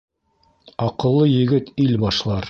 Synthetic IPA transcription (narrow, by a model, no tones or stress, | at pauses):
ɑqɤ̆lˠːɤjɘ̆ɡɘt̪ilbɑʃlˠɑɾ